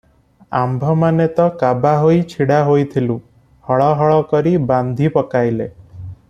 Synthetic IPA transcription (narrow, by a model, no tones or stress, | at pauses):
a̰mbʱɔmanet̪ɔkabaɦoit͡ʃʰiɽaɦojt̪ʰilu | hɔɭɔɦɔɭɔkɔɾiband̪ʱipɔkajle